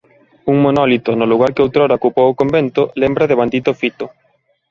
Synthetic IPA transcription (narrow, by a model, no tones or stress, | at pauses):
uŋmonɔlit̪onʊluɣ̞aɾkɪowt̪ɾoɾaokupowokombent̪olembɾaðeβand̪it̪ofit̪o